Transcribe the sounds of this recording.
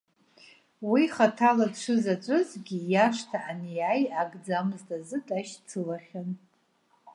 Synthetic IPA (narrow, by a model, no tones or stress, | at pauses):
wiχatʰalaʂʷʰɨzat͡ʃʷʼɨzɡʲijaʂtʰaʔanijajaɡʼd͡zamzdʼazɨtʼaʃt͡sʰɨlaχʲan